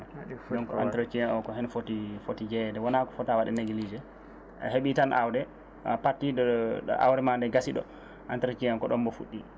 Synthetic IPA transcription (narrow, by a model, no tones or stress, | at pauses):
dɔnkɔa̰ntɛɾot͡ʃiɛnɔkɔɦɛnfotifotid͡ʒɛdɛwanakɔ̥fɔtawaɗɛneɡilid͡ʒɛ̰ | heɓitanʔa̰wdɛ | apatːidɔʔa̰wɾɛmandɛɡasiɗɔ̰ | ʔantɾot͡ʃiɛnkɔɗɔmbɔfuɗːi